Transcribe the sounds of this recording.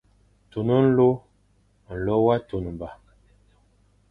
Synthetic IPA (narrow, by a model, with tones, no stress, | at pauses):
tu˨nə˦n̩˦lo˦ | n̩˨lɔ˦wa˦tu˨nə˨m˨ba˨